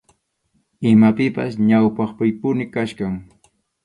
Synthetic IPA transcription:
ɪmapɪpa̰sɲawpɑχpɪjpʊnɪkaʃkaŋ

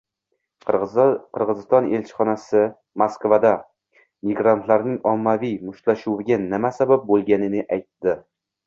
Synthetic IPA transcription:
qʰɨɾʁɨzɪst̪ɒne̞lt͡ʃʰɪ̥χɒnasɪ | maskvad̪a | miɡɾant̪laɾnɪŋɒmːavijmʊʃlaʃuwɪɡʲanɪmasabap̚bolˠɡʲanɪnɪʔajt̪ːɪ

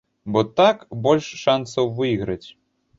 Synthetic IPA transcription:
bɔt̪akbɔlʲʂːansɐwvɨiɣɾɐt͡sʲ

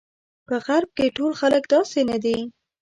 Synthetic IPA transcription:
pəɣaɾb̚keʈolxaləkd̪ɑsenad̪i

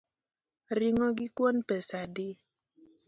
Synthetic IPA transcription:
riŋɔɡikwɔnpɛsadi

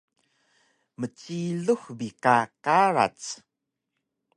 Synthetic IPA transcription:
mət͡ɕiɮuxbikakaɾa̰t͡s

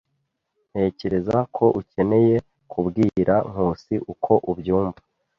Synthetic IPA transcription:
n̥he̞ːce̞ɾezakʰo̞ʔuce̞ne̞je̞ | kʰubɡiːɾaŋ̥huːsiʔukʰo̞ʔubɟuːmvḁ

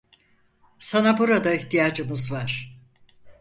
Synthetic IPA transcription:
sanabuɾad̪aiçt̪ʰijaːd͡ʒɯmɯzvaɾ̥

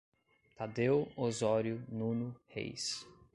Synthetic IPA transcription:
t̪ad̪ewozɔɾjʊnũnʊhḛjs

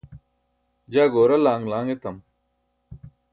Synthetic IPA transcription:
d͡ʑaːɡoːɾɐlaːŋlaːŋet̪ɐm

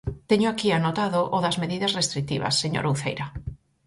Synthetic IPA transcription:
t̪eɲoakianot̪aðoʔoðɐzmeðiðɐsrest̪ɾik̚t̪iβɐ̰sːeɲo̰ɾuθḛjɾɐ

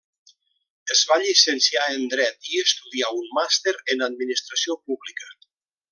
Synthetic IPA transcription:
əzβaʎisənsiaənd̪ɾɛt̪iəst̪uðiaunmast̪eɾənad̪̚minist̪ɾasiopuβlikə

